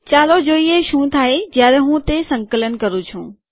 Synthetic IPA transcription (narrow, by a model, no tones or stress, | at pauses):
t͡ɕaːlod͡ʑoːieʃũːt̪ʰaːɦed͡ʑjaːɾeɦũːt̪esɐ̃ŋkələn̆kɐɾut͡ʃʰũː